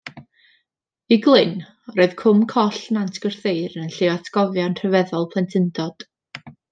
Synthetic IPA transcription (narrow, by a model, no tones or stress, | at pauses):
iɡlˠɪn | rɔɨð̥kʰʊmkʰɔɬnantʰɡ̥ər̥θeɨɾənənɬɪwatʰɡ̥ɔvjanr̥əvɛðɔlˠpʰlˠɛntʰɪndɔd̥